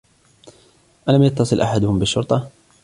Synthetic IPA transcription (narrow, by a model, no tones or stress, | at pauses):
ʔalamjɑt̪ːɑsˤɨlʔaħad̪ʊhʊmbɪʃːʊɾt̪ˤɑ